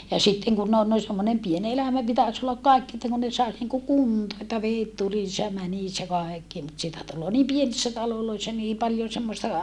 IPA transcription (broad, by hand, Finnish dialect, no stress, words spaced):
jɑ sitːeŋ kunː on noi semːonem pien elæmæ pitæs olːɑk kɑˑikːi etːæ kun ne sɑis niŋku kuntoː etːæ ʋeːt tulis jɑ mænis jɑ kɑekːi mut sitæ tulːoː nim pienisːæ tɑloloisːɑ niː pɑljon̞ semːostɑ